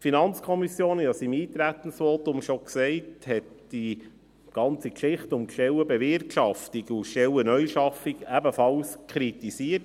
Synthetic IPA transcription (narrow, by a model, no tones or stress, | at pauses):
finɑnt͡skʰɔmisjoːnjɑsimiːt̪ɾæt̪ən̩sʋot̪ʊmʃoksɛɪthɛt | d̥i | ɡ̥ɑnt͡sikʃɪχtʊmkʃɛwəbɛʋɪrtʃɑftiɡuʃɛwənœjʃɑfikæbəfɑlskʰɾit̪isiət